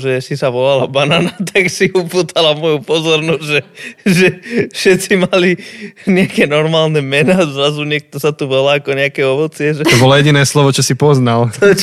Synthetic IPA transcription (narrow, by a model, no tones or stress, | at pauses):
ʒɛsisaʋɔlalabananat̪ʰaksiupuːt̪ʰalamɔjupɔzɔɾnɔzɟʒɛʒɛfʃɛt͡simaliɲɛakɛnɔɾmaːlnɛmɛnaːzɾazuɲɛk̚t̪ɔsat̪uʋɔlaːkɔɲɛakɛɔʋɔt͡sɪɛʒɛt̪ɔbɔlɔjɛɟinɛːslɔʋɔt͡ʃɔsipɔznalt̪ɔt͡ʃ